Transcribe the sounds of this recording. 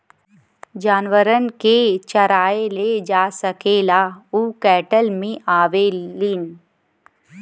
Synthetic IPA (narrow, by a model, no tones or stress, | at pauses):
d͡ʒaːnʋəɾənket͡ʃɐɾaːeled͡ʒaːsəkeːlauːkɛːʈəlmẽʔaːʋeliːn